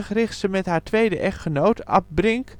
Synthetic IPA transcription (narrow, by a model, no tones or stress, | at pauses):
χrɪχtsəmɛtɦaːɹtʋejdəʔɛχtχənowtɑ̰p̚brɪŋk